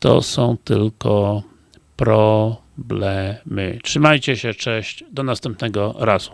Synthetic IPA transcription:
t̪ɔ̰sɔ̃w̃t̪ɘlkɔ | pɾɔblɛmɘ̰tʂɘmajt͡ɕɛɕɛt͡ʂɛ̃ɕt͡ɕd̪ɔnast̪ɛmp̚nɛɡɔɾaz̥u̥

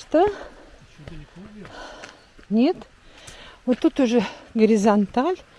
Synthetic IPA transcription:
t̪ə | nʲet̪ | vot̪ːut̪ʊʐɨɡəɾʲɪzant̪alʲ

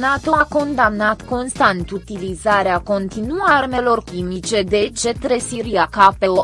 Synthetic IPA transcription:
nat̪o̞ako̞nd̪amnat̪ko̞nst̪ant̪ut̪ilizaɾeako̞nt̪inuarme̞lo̞rkʲimit͡ʃe̞d̪e̞t͡ʃe̞t̪ɾe̞siɾiakapeo

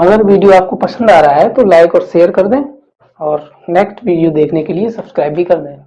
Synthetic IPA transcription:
ɐɡəɾʋiːɖijoaːp̚kopɐsə̃nd̪aːɾɐɦaɦɛt̪olaːɪkɔːɾʃeːəɾkɐɾd̪ẽː | ɔːɾ | neːksʈʋiːɖijod̪eːkʰnekeliesɐb̥skɾaːɪbʱikɐɾd̪ẽː

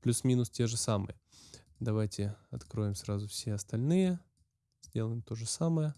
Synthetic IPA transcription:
plʲusmʲinʊstʲe̞ʐɨsamɨ̰jə | d̪ɐvajtʲɪɐt̪kɾo̞jɪmsɾazʊfsʲeɐst̪ɐlʲnɨjə | z̥ʲdʲe̞lˠəjɪmt̪o̞ʐɨsaməjə

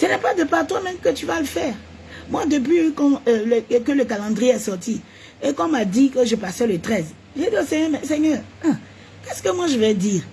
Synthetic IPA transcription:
sənɛpad̪əpaʁt̪wamɛ̃mkət̪yvaləfɛːʁ | mwad̪əp̬ɥikɑ̃ləkələkalɑ̃d̪ʁijeɛsɔʁt̪ʰi | ekɔ̃mad̪ikəʒəpasɛlət̪χɛz | ʒed̪iosɛɲɛmɛsɛɲœːʁ | kɛskəmwaʒəvɛd̪iːʁ

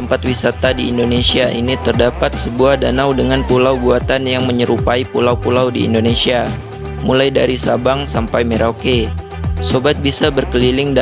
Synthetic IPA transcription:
əmpat̪̚wisat̪adiːndonesiaʔḭnit̪ərdapat̪̚səbuahdanawdəŋanpulawɡuat̪anjaŋməɲəɾupaipulawpulawdḭḭndonesia | mulajdaɾisabaŋsampajmeɾʔake | sobat̪̚bisabərkəlilɪŋda

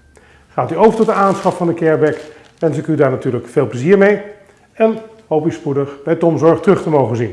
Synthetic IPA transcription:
χaːtyowvəɹtɔt̚dəaːnsχɑffɑndəkɛɹbɛk | ʋɛnsɪkydaːɹnatyːɹləkfeːlˠpləziːɹmej | ɛn | ɦowpyspudəχbɛjtɔmzɔɹχtrɵχtəmowχənzin

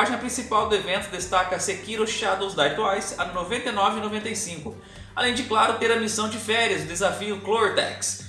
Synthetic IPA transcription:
aʒĩnɐpɾĩsipawd̪ʊevẽnt̪ʊd̪est̪akɐsekiɾʊʃad̪õzd̪at̪uajsɐd̪novẽnt̪ejnɔvɪinovẽnt̪ɐjsĩŋkʊ | alẽj̃d͡ʒɪklaɾʊt̪eɾɐmisɐ̃w̃d͡ʒɪfɛɾiɐzʊd̪ezafiʊkloɾd̪ɛ̰ks

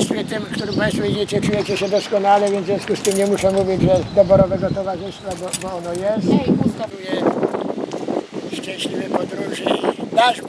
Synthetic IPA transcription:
svʲɛt̪ɪmkt̪uɾɪmpãj̃st̪fɔvʲid͡ʑet͡ɕɛt͡ʂujɛt͡ɕɛɕɛd̪ɔskɔnalɛvʲjɛnzvʲjɔ̃skust̪ɘmɲɛmuʂɛmuvʲid͡ʑʐɛd̪ɔbɔɾɔvɛɡɔt̪ɔvaʐɘst̪fabɔbɔɔnɔjɛst̪usk̪ad̪ujɛ | ʂt͡ʂɛ̃ɕlʲivɛpɔd̪ɾuʐɨd̪aʐ

